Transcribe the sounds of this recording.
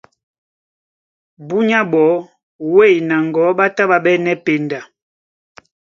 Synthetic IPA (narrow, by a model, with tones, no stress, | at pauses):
bu˦ɲa˦bɔ˨˦ | we˦˨jna˨ŋ˨ɡɔ˨˦ɓa˦ta˦ɓa˨ɓɛ˦nɛ˦pe˨nda˨